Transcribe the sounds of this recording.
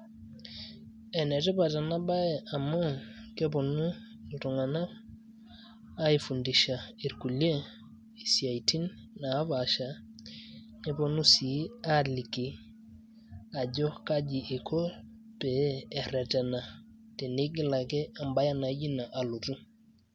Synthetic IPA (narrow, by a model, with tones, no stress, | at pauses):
ɛ˨ne˨tɛ˦pa˨ta˨na˦ba˦je˨ʔa˨ma˦ke˦po˨nu˦ | ltu˨ŋa˨na˦ | a˦i˦fu˨ndi˨ʃa˨i˨ɾku˨le˦ | i˨si˨a˨i˨ti˦nː | a˨˦βa˨ʃa˨ | ne˦po˨nu˦si˨a˦li˨ki˨ | a˨ɟɔ˦kaɟi˨ʔi˨kʰo˦ | peː˨ɾe˨tɛ˨na˨te˨ni˦ɡi˦la˨ke˦a˨mba˦ja˦na˨˦ɟi˦na˨ʔa˨lu˨tu˦